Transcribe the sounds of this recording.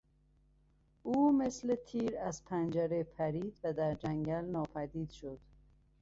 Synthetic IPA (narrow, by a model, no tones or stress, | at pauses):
uːmeslet̪ʰiːɾæzpʰænd͡ʒæɾepʰæɾiːd̪væd̪æɾd͡ʒæŋɟælnɒːpʰæd̪iːd̪̥ʃod̪̥